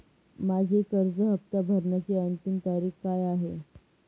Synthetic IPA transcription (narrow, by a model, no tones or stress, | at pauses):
mad͡ʑʱikəɾd͡zəɦəp̚t̪abʱəɾɳjat͡ɕiənt̪imt̪aɾiːkkajaɦe